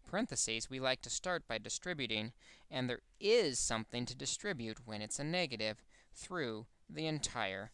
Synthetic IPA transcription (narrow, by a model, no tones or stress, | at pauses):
pʰə˞ɪ̃nθɨsizwilaɪk̚tʰɨstɑɹt̚b̥aɪdɨstɹ̥ɪbjʉɾɪ̃ŋɨ̃nðə˞ | ɪz̥sʌ̃mθɪ̃ŋtʰɨdɨstɹ̥ɪbjʉt̚wɨ̃nɨtsɨnɛɡɨɾɪv̥ | θɹʉ | ðiɨ̃ntʰaɪə̰˞